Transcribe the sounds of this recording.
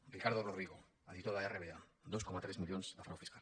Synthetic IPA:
rikaɾðoroðɾiɣo | aðit̪oðaereβead̪o̞skomat̪ɾezmiʎonzðafɾawfiskal

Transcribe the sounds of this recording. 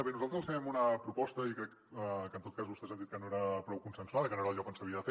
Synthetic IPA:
əβenuzalˠt̪ɾəzlsfɛmunəpɾupɔst̪əikɾɛk | kənt̪ot̪̚kazβust̪ɛzand̪it̪̚kənoeɾəpɾɔwkunsənsuaðəkənoeɾəlˠʎɔkənsəβiəðəfe

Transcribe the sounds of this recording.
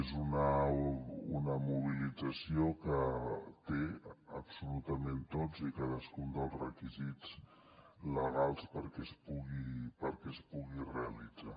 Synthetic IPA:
ezunə | unəmuβ̞ilid͡zəsiokət̪eəpsulut̪əment̪od͡zikaðəskund̪əlˠzrəkizid͡zt͡s | ləɣalˠspəɾkɛspuɣipəɾkɛspuɣireəlid͡za

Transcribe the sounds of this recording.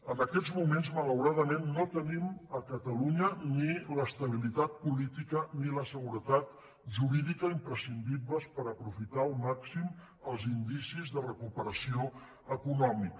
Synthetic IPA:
ənəkɛd͡zmumenzmələwɾaðəmenːot̪əniməkət̪əluɲəniləst̪əβ̞ilit̪at̪̚pulit̪ikəniləsəɣuɾət̪at̪̚ | ʒuɾiðikəimpɾəsind̪ibləspəɾəpɾufit̪aːlˠmaksim | əlˠzind̪isizðərəkupəɾəsio | əkunɔmik

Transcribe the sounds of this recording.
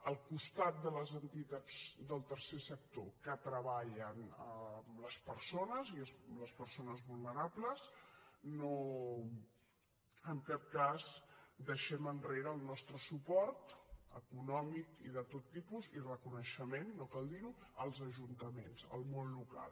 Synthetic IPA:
əlˠkust̪at̪̚d̪ələzənt̪it̪ad͡zd̪əlˠt̪əɾsesək̚t̪okət̪ɾəβaʎənəmləspəɾsonəziəsləspəɾsonəzβulˠnəɾabləzno | əŋkap̚kazd̪əʃɛmənreɾəːlˠnɔst̪ɾəsupɔɾt̪ə̰kunɔmikiðət̪ot̪ːipuzirəkunəʃəmenːokalˠd̪iɾuəlˠzəʒunt̪əmenzə̰lˠmonluka̰lˠ

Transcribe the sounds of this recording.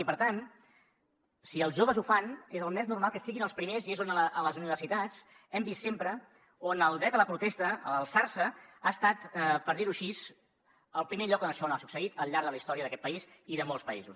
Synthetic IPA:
ipəɾt̪an | siəlˠzʒoβəzufanezəlˠmɛznurmalˠkəsiɣinəlˠspɾimeziezonəəʔələzuniβ̞ərsit̪at͡s | ɛmbistːempɾə | onəlˠd̪ɾɛt̪ələpɾut̪ɛst̪əə̰ləlˠsaɾsəaəst̪at̪pəɾðiɾuʃiz | əlˠpɾimeʎɔkonəʃɔnasuksəit̪əlˠʎaɾðələist̪ɔɾiəðəkɛt̪pəiziðəmolˠspəḭzus

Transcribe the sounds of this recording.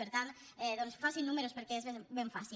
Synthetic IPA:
peɾt̪ant̪ | ɛðonsfasinːumeɾospeɾkeezβebeɱfasi

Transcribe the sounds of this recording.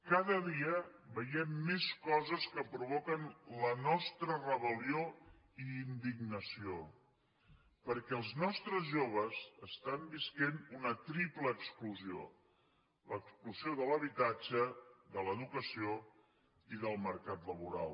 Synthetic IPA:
kaðəðiəbəjɛmːeskɔzəskəpɾuβokənlənɔst̪ɾərəβəlio | iːnd̪iɡ̚nəsio | pəɾkɛəlˠznɔst̪ɾəzʒoβ̞əzəst̪ambiskenunət̪ɾipləːkskluzio̰ | ləkskluzioðələβit̪ad͡ʒəðələðukəsio | iðəlˠməɾkat̪ləβuɾa̰lˠ

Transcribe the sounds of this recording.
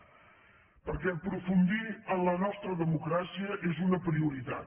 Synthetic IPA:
pəɾkɛəpɾufund̪iənlənɔst̪ɾəðəmukɾasiəʔezunəpɾiuɾit̪a̰

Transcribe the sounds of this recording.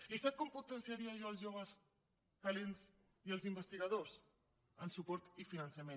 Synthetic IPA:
isakomput̪ənsiaɾiaʒoəlˠzʒoβ̞əs | t̪alenz | iəlˠzimbəst̪iɣɐðos | ənsupɔɾt̪ifinənsamen

